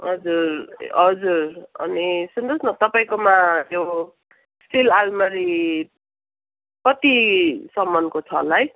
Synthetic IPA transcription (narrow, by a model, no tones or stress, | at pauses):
ɦʌd͡zurɦʌd͡zurʌ̰nisund̪ʌsnʌt̪ʌpaĩkomajjo | sʈilalmʌɾi | kʌt̪isʌmːʌnkot͡sʰʌ̰laj